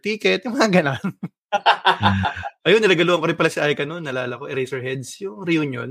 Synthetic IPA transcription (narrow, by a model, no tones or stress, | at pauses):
t̪iːkɛt̪̚jʊŋmɐŋaɡɐnan | ʔɐjonɪlaɡɐluːɐŋkoɾɪnpɐlasɪʔajkɐnonːɐlaːlɐkoʔɛɾejsɛɹɦɛd̪sjʊŋɾɛjuːnjo̰n